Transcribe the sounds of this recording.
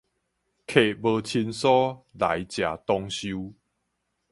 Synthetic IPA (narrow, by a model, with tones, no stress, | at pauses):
kʰe˨˩bə˧t͡ɕʰi˧nsɔ˦la̰˨˦jt͡ɕja˨t̪ɔ˧ŋɕju˦